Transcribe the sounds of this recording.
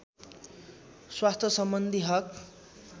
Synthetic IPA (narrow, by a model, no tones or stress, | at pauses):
swast̪ʰʌsʌmbʌnd̪ʱiɦʌk